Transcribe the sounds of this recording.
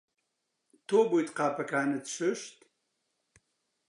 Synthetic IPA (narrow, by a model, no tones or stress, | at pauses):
t̪ʰoːbojt̪qaːpʰɐkʰaːnɐt̪soʃt̪